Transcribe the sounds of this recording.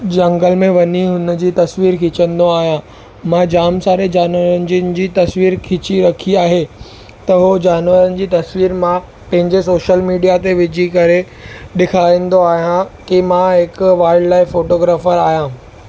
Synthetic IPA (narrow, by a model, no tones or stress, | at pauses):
d͡ʑɐ̃ŋɡəlmẽʋɐɲiɦʊnəd͡ʑiːt̪ɐsʋiːɾkʰɪt͡ɕə̃nd̪oaːɦijã | mãːd͡ʑaːmsaːɾed͡ʑaːnʋəɾənɪ̆d͡ʑiənɪ̆d͡ʑiːt̪ɐsʋiːɾkʰɪt͡ɕiɾɐkʰiaːɦe | t̪ɐɦod͡ʑaːnʋəɾənɪ̆d͡ʑiːt̪ɐsʋiːɾmã | pɐ̃ɦɪ̃ɲd͡ʑes̬oːʃəlmiːɖijat̪eʋɪd͡ʑʱikɐɾe | ɗɪkʰaːĩːnd̪oaːɦijãkimãɦɪkʋaːɪɖlaːɪfoːʈoːɡɾaːfəɾaːɦijãː